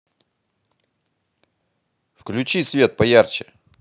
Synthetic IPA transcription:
fklʲʊt͡ɕisʲvʲe̞t̪̚pɐjart͡ɕɪ̥

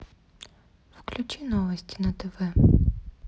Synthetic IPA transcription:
fklʲʊt͡ʃinɔʋɐsʲtʲi̥nɐt̪ɛʋɛ

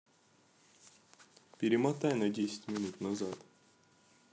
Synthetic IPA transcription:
pʲɪɾʲɪmat̪ajnɐdʲesʲɪ̥tʲmʲɪnut̪nazat̪

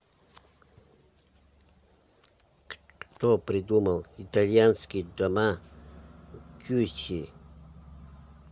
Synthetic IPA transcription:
k | kt̪opɾʲɪd̪uməlˠɪt̪alʲjanskʲɪd̪ɐma | kʲut͡ɕi

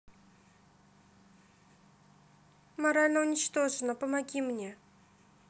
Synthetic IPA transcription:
mɐɾalʲnəʊnʲɪt͡ɕt̪o̞ʐɨnəpəmɐɡʲimnʲe̞

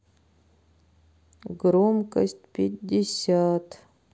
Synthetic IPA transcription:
ɡɾomkəsʲtʲpʲɪdʲːɪsʲat̪

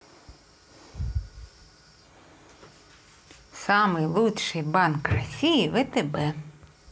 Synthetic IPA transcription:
sɑmɪjlˠutʲʃɪjbɑnkrɐsʲijiʋɛt̪ebɛ

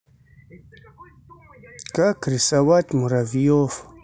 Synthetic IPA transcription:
kakɾisawat̪muɾavijof

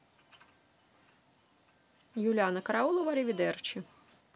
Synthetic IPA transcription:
julʲanɐkɐɾaulˠɔvalʲivʲid̪ɛrt͡ʃi

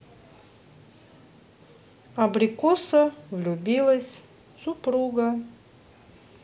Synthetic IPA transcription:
ɐbɾʲɪkosəvlʲʊbʲilˠəsʲ | sʊpɾuɡə

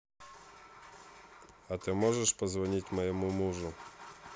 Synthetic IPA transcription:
ɐt̪ɨmɔʐɛʂpɐzvɐnʲitʲmɐjɪmumuʐʊ

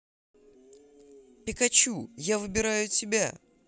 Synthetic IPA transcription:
pʲɪkɐt͡ɕujavɨbʲɪɾajʊtʲɪbʲa

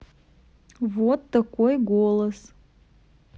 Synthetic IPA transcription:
vot̪̚d̪̥akʷʼojɡʷolˠəs

